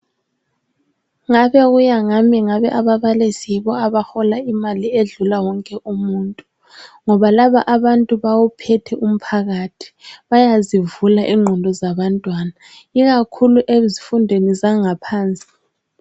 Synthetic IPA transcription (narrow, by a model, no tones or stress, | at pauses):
ŋaβɛɣujaŋamiŋaβɛʔaβaβalisiβɔaβaxɔlaimalieɮulawɔŋkʼɛʔumuːntʼu | ŋɔβalaβaʔaβantʼuβawupʰɛtʰɛʔum̩pʰaɣatʰi̥βajazivulaʔiŋ͡ǃʱɔndʱɔzaβantʼwana | iɣakʰuluʔezifundʱenizaŋapʰaːnt͡sʼi̥